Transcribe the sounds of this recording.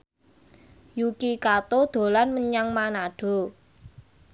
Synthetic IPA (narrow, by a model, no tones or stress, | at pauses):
jukikat̪od̪̥o̤lanməɲaŋmanaɖ̥o̤